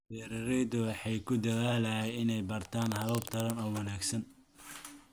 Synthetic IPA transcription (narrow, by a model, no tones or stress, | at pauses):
bɛːɾɪɾɛjd̪ʊwɑħɑjkʰʊd̪ɐðaːlɐjɛjɪnɛjbɐrt̪ʰaːnhɐβɐbt̪ʰɐɾɐnɔːwɑnaːɡsɐn